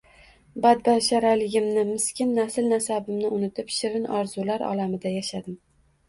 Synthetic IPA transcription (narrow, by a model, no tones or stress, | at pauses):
bad̪̚balʃaɾalɪɡʲɪmnɪmɪskʲɪnːasɪlnasabɪmnɪʔʊnɪt̪ʰɪpʃɪɾɪnɒɾzulaɾɒ̰lamɪd̪ajaʃad̪ɪm